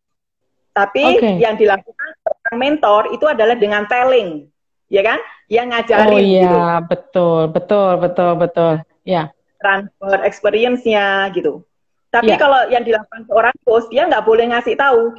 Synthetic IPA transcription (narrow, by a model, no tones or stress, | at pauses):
t̪apiokejaŋdilakukansəɾaŋmɛnt̪ɔrit̪uadalahdəŋant̪elɪŋ | jakanjaŋːad͡ʒaɾɪjait̪ubət̪ʊlbət̪ʊlbət̪ʊlbət̪ʊl | ja | t̪ɾanfərɛkspeɾiənsɲaɡit̪u | t̪ajikalojaŋdilakukansəoɾaŋt̪ʊsd̥iaŋɡaʔbolɛhŋasɪht̪au